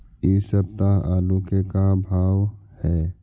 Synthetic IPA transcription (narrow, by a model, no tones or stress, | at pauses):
eːsəb̚t̪aaːlukekabʱaːʋhɛː